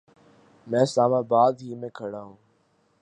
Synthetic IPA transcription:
mɛ̃ːslaːmaːbaːd̪ɦiːmẽːkʰəɽaːɦũː

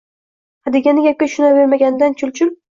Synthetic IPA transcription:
had̪eɡʲanɪɡʲap̚kʲaʃʊnaveɾmaɡʲanɪd̪ant͡ʃʰʊlt͡ʃʰʊl

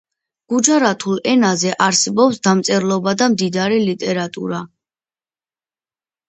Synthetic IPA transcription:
ɡ̥ud͡ʒaɾat̪ʰulɛnazɛʔaɾsɛbɔpsd̪amt̪sʼɛɾlˠɔbad̪amd̪id̪aɾilit̪ʼɛɾat̪ʼṵɾa

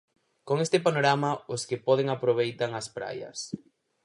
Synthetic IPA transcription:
koŋest̪ɪpanoɾamɐʊskɪpɔðeŋapɾoβ̞ejt̪aŋɐspɾa̰jɐ̰s

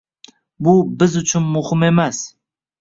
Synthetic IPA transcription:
bʊbɪzʊt͡ʃʰʊnmʊhɪme̞mas

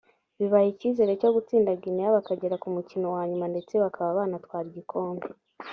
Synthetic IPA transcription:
βiβajiciːze̞ɾe̞co̞ɡut͡siːndaɡinijaβakaɟe̞ɾakumucino̞waːɲumande̞t͡se̞βakʰaβaβaːnatwaːɾiɟikʰo̞ːmbe

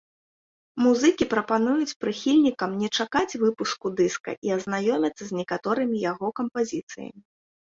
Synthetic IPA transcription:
muzɨkʲipɾɐpanujut͡sʲpɾɨxʲilʲnʲikɐmnʲɛt͡ʂakat͡sʲvɨpuskud̪ɨskɐ̰ʔiɐznajɔmʲɐt̪sːɐzʲnʲɛkat̪ɔɾɨmʲijaɣɔkɐmpazʲit̪sɨjɐ̰mʲi

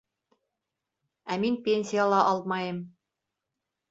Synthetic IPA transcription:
æminpʲenʲsʲijalˠɑʔɑlˠmɑjɤm

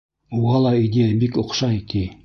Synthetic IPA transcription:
uʁɑlˠɑid̪ʲejəbikŏqʃɑik̪i

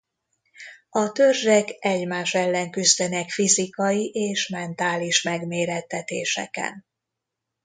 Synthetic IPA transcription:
ɒt̪ø̞rʒɛkɛɟmaːʃɛlːɛŋkyzd̪ɛnɛkfizikɒjiʔeːʃmɛnt̪aːliʃmɛɡmeːɾɛt̪ːɛt̪eːʃɛ̰kɛ̰n

